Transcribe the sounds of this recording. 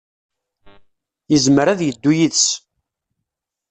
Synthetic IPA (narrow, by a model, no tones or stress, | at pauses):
jəzməɾæðjəd̪ːujiðs